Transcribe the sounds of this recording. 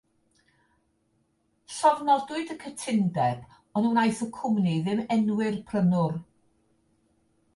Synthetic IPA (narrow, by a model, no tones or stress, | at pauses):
sɔvnɔdʊɨdəkʰətʰɪndɛb | ɔnunajθɔkʰʊmniðɪmɛnwɪrpʰrənʊr